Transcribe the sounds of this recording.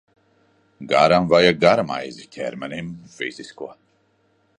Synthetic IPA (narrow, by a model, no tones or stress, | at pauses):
ɡaɾamvajaɡaɾama̰jzicʲʰɛ̰ɾmɛnimfḭz̥ʲiskuɔ